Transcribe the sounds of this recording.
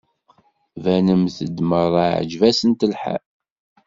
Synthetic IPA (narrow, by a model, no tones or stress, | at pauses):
vænəmθəd̪ːməɾˤəʕə̰d͡ʒvæsənt̪əlħæ̰